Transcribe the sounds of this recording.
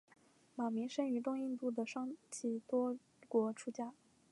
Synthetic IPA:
ma˨˩mi˧˥ŋʂə˥ny˧˥t̪ʊ˥˧ŋi˥˧nt̪u˥˩d̪ə˩ʂɑ˥ŋt͡ɕʰi˧˩t̪wɔ˥ | kwɔ˧˥ʈ͡ʂʰu˥t͡ɕja˥˩

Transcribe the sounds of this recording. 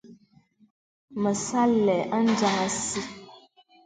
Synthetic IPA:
mə˨sa˦lːɛ˨ʔa˦n˦d͡ʒa˦˨˦a˦si˦

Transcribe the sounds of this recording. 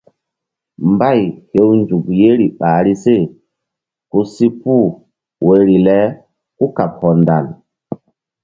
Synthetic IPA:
mba˦˨jhe˦wnd͡ʒu˨kje˦ɾi˨ɓa˨ɾi˦se˦˨ | ku˦si˦pu˦˨ | we˨ɾi˨lɛ˦ | ku˦ka˨p̚hɔ˨nda̰˨l

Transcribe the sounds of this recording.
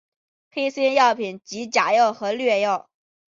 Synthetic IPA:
pʰe˥ɪsɛ˥njɑ˥˩ʊpʰi˨˩nt͡ɕi˧˥t͡ɕja˨˩jo˥˩ʊxɤ˧˥lɥɛ˥˧jo˥˩ʊ

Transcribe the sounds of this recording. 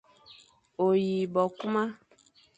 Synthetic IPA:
o˨ji˨bɔ˨ku˦mã˦

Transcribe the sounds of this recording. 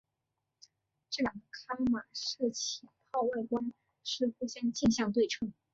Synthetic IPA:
ʈ͡ʂɤ˥˩jɑ˨˩ŋd̪ə˦kʰa˥ma˨˩ʂɤ˥˩t͡ɕʰi˨˩pʰɑ˥˧ʊwa˥˩ɪkwa˥n | ʂɻ̩˥˧xu˥˧˩ɕjɑ˥ŋt͡ɕi˥˧nɕjɑ˥˧ŋt̪̬we˥˩ɪʈ͡ʂʰɤ˥ŋ

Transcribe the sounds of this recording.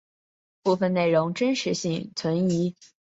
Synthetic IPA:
pu˥˧˩fə˥˧ne˥˩ɪɻʊ˧˥ŋʈ͡ʂə˥nʂɻ̩˧˥ɕi˥˩ŋt͡sʰwə˧˥ni˧˥

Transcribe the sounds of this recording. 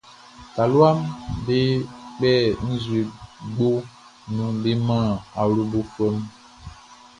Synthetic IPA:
ta˨lwa˦mbe˦k͡pɛ˦˨n̩˦zu˨e˨ɡ͡bo˦ | nũ˨be˦mã˦˨a˨ɾo˦bo˦fə˦m

